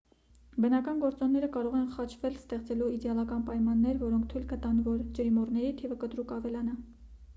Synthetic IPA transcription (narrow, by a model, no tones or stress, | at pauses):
bənɑkɑnɡɔɾt͡sɔnːɛɾəkɑɾɔʁɛnχɑt͡ʃʰvɛlst̪ɛχt͡sɛluid̪ɛɑlɑkɑnpɑjmɑnːɛɾvɔɾɔŋk̚ʰt̪ʰujlkət̪ɑnvɔɾd͡ʒəɾimɔrnɛɾit̪ʰivəkət̪ɾukɑvɛlɑnɑ